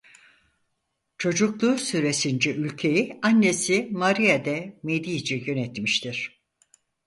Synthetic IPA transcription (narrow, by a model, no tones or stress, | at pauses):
t͡ʃʰo̞d͡ʒuklˠuːsyɾesind͡ʒɛʔylʲcʰe̞jianːesimaɾijad̪ɛme̞d̪ijd͡ʒɛjø̞nɛt̪miʃt̪ʰiɾ̥